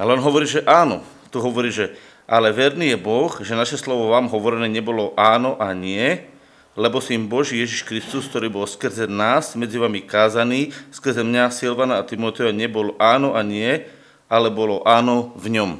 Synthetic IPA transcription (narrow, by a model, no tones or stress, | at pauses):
alɛɔnɦɔʋɔɾiːʒɛʔaːnɔ̰ | t̪uɦɔʋɔɾiːʒɛ | ʔalɛʋɛɾniːjɛbɔxʒɛnaʃɛslɔʋɔʋaːmɦɔʋɔɾɛnɛːɲɛbɔlɔʔaːnɔʔaɲɪɛ | lɛbɔsimbɔʒiːjɛʒiʃkɾist̪usk̚t̪ɔɾiːbɔlskr̩zɛnaːsmɛd͡ziʋamikaːzaniːskr̩zɛmɲasilʋanaːt̪imɔt̪ɛaɲɛbɔlʔaːnɔʔaɲɪɛ | alɛbɔlɔʔaːnɔvɲɔm